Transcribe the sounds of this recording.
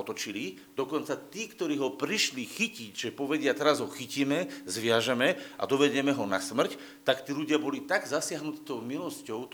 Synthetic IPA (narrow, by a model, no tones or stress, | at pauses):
ɔt̪ɔt͡ʃili | d̪ɔkɔnt͡sat̪iːkt̪ɔɾiːɦɔpɾiʃlixicicʒɛpɔʋɛɟɪat̪ɛɾazɦɔxiciːmɛzʋɪaʒamɛʔa̰d̪ɔʋɛɟɛmɛɦɔnasmr̩c | t̪akt̪iːluɟɪabɔlit̪aɡzasɪaɦnut̪i̥t̪ɔʊmilɔscɔʊt̪